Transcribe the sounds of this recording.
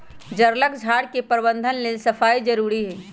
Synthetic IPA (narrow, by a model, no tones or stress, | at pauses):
d͡ʒɐɾləkd͡ʒʱaːɽkepəɾbə̃nd̪ʱənmẽsɐfaːid͡ʒɐɾuːɾiɦɛː